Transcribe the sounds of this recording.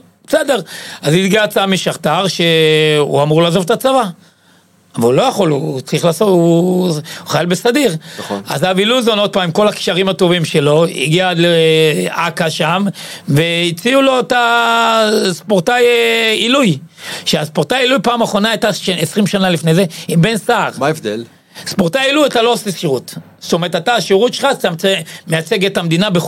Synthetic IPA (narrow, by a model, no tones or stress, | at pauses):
b̥esede̞ʁazit̪ɡiat͡samiʃaχt̪aʁʃe̞ṵamuʁlaːzovet̪at͡sava | avalulo̞jaχo̞lut͡sʁiχlaːsotu | uχajalbesadiʁa̰zaviluzono̞d̚pamimko̞lakʃaʁimat̪o̞vimʃe̞lo̞ḭɡialeʔakaʃamve̞it͡siulo̞eta | spoʁtajilujʃeaspoʁt̪ajilujpaːmaχo̞naajtaʃesʁimʃanalifne̞jze̞imbe̞nsaːʁmaefd̪el | spoʁt̪ajilujatalo̞oseʃiʁut | st̪ome̞ʁetataːʃiʁutʃelχatamt͡semejat͡se̞ɡetamd̪inabe